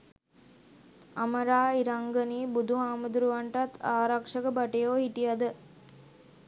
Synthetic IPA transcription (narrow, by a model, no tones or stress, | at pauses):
ɐməɾaːiɾaŋɡəniːbud̪ʱuɦaːmud̪uɾuʋaɳʈat̪ʰaːɾakʂəɡəbaʈejoːhiʈijɐd̪ə